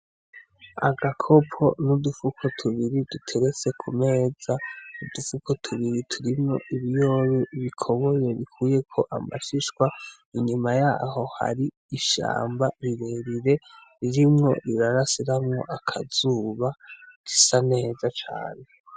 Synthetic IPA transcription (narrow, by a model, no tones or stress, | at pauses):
a̰ɡakʰo̞pʰo̞nudufukʰo̞tʰuβiɾidutʰe̞ɾe̞t͡se̞kʰume̞ːz̥audufukotʰuβiɾitʰuɾimŋo̞̰ʔiβijo̞ɾuβikʰo̞βo̞je̞βikʰuːje̞kʰo̞ʔama̰ʃiʃkwa | iɲumajaːho̞ha̰ɾiː | ʃa̰ːmbaɾiɾe̞ɾiɾe̞ | ɾiɾimŋo̞̰ɾiɾaɾasiɾamŋo̞̰ʔakʰaz̥uːβaɡ̥i̥sane̞ːzat͡ʃa̰ːne̞